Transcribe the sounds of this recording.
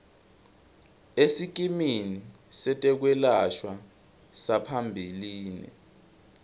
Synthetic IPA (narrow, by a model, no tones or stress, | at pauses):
esik̬ʼiminisɛtʼɛk̬wɛlaʃwa | sapʰambʱiliːnḭ